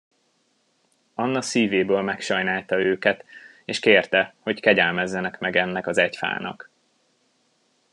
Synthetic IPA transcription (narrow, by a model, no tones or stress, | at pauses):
ɒnːɒsiːveːbøːlmɛkʃɒjnaːlt̪ɒøːkɛt̪ | eːʃkeːrt̪ɛho̞ckɛɟɛlmɛzːɛnɛkmɛɡɛnːɛkɒzɛcfa̰ːnɒ̰k